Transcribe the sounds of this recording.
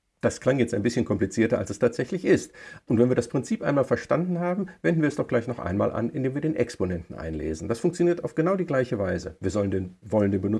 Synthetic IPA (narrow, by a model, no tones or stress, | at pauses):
d̥askl̥aŋjɛt͡staɪmbɪsçənkʰɔmplit͡siːɐtɐʔa̰lsɛstʰaːtz̥ɛçlɪçʔɪstʔʊntv̥ɛnviːɐdaspʁ̥ɪnt͡siːpʔaɪnmaːlfɛɐʃtandn̩ɦaːbm̩vɛndnviɐɛsd̥ɔχɡ̥laɪçnɔχʔa̰ɪnma̰ːlʔa̰nʔɪndeːmviːɐdeːnʔɛksponɛntn̩ʔa̰ɪnlḛːzn̩d̥asfʊŋkt͡sjoniːɐtaʊfɡ̥ənaʊdiːɡlaɪçəvaɪzə̰viːɐzɔləndenvɔləndeːnbənʊ